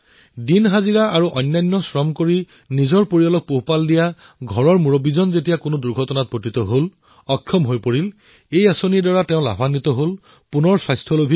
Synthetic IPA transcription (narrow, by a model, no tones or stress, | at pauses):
dinɦaziɹaaɹuʔɔjnːajnːɔsɹɔmkoɹi | nizɔɹpoɹiɔlɔk̚poɦpaldija | ɡʱɔɹɔɹmuɹobizɔnzetijakʊnoduɹɡʱɔtɔnat̚bʱotit̪ɔɦol | ɔkʰːjɔmɦojpoɹil | ejasonidɔɹatɛ̃ʊ̃la̰bʱanit̪ɔɦol | punɔɹswajstʰɔlobʱi